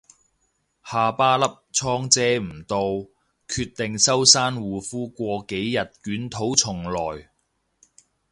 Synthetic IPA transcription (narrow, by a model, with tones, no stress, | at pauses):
haː˨paː˥lɐ˥p̚t͡sʰɔː˥ŋt͡sɛː˥m̩˨˩t̪o˧w | kʰyː˧t̚t̪ɪ˨ŋsɐ˥wsaː˥nwuː˨fuː˥kʷɔː˧ke˨˥jːɐ˨t̚kyː˨˥nt̪ʰo˨˥wt͡sʰʊ˨˩ŋlɔː˨˩j